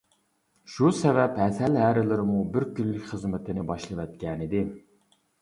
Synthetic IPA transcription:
ʃusɛvɛpɦɛsælɦæɾɪlɪɾɪmubɪɾkʲylːɪkʲχəzmɪt̪ʰɪnɪbɑʃlˠɨvɛt̪̚kʲɛnɪd̪ɪ

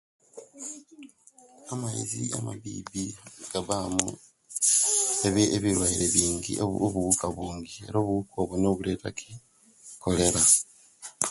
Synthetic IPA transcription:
amaiziamaβḭːbiɡ̥aβamṵ | eβeβiɾwaiɾe̞βiːŋɡḭʔoβuβukaβuːŋɡie̞̰ɾo̞ːβuβukʰo̞ːβwono̞ːβule̞ːtakʰi | ko̞le̞ɾa

